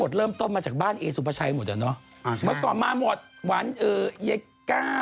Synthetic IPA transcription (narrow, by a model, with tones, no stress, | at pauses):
o˨˩t̪̚ɾɤː˥˩mt̪o˥˩nmaː˧t͡ɕaː˨˩k̚baː˥˩nʔeː˧su˨˧˦pʰa˧˩t͡ɕʰa˧jmo˨˩t͡ɕa̰˨˩nɔ˦˥ | mɯ˥˩kɔː˨˩nmaː˧mo˨˩t̪̚wa˨˦˥nʔɤː˨˩ja˧˦ | kːaː˥˩